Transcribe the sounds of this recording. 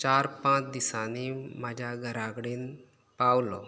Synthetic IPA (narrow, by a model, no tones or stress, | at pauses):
t͡ɕaɾpãt͡sd̪isanimad͡ʑʱjaɡʱəɾaɡɽiːn | pawlo